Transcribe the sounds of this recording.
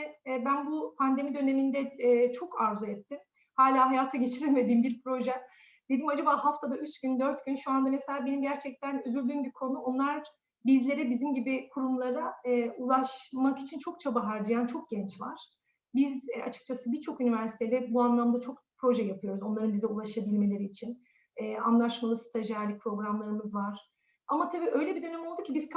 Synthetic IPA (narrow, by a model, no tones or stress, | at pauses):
ɛbænbupʰand̪e̞mid̪ø̞ne̞mind̪ɛːt͡ʃʰo̞kaɾzuɛt̪ʰːim | haːlʲaːɦajaːt̪ʰaɟe̞t͡ʃʰiɾilʲme̞d̪iːmbiɾpʰɾo̞ʒɛ | d̪̥ed̪imad͡ʒabaːhaft̪ʰad̪ayt͡ʃɟynd̪øɾt̪ɟynʃuand̪ameselʲaːbe̞nimɟæɾt͡ʃʰɛc̚t̪ʰænøzylʲd̪yːmbiɾkʰo̞nuo̞nlˠaɾ | bizlʲe̞ɾɛbizimɟibikʰuɾumlˠaɾaːulˠaʃmaki̥t͡ʃʰint͡ʃʰo̞k̚t͡ʃʰabaɦaɾd͡ʒajant͡ʃʰok̚ɟɛnt͡ʃva̰ɾ̥ | biza̰t͡ʃʰɯ̥k̚t͡ʃʰasɯbiɾt͡ʃʰo̞kynivæɾsi̥t̪ʰelʲɛbuanlˠamd̪at͡ʃʰo̞kpʰɾo̞ʒɛjapʰɯjo̞ɾuzo̞nˠaɾɯnbizɛulˠaʃabilʲme̞lʲe̞ɾiːt͡ʃʰin | ɛːa̰nlˠaʃmalˠɯst̪ʰaʒaɾlʲipʰɾo̞ɡɾamlˠaɾɯmɯzvaɾ̥ | amat̪ʰabiːʔø̞jlʲebid̪ø̞nɛmolˠd̪ucʲʰibizk